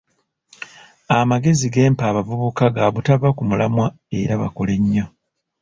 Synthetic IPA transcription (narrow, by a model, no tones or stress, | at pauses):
amaɡe̞ziɡe̞ːmpaːβavuβukaɡaβutaβakumulamwa | e̞̰ɾaβa̰kole̞ɲːa